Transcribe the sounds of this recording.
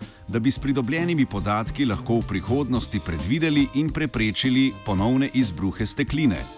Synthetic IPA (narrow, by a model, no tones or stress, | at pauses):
d̪abispɾid̪ɔbljɛːnimipɔd̪aːt̪kilaxkoːwpɾixoːd̪nɔst̪ipɾɛd̪ʋiːd̪ɛliʔinpɾɛpɾeːt͡ʃilipɔnɔwnɛʔizbɾuːxɛst̪ɛkliːnɛ̰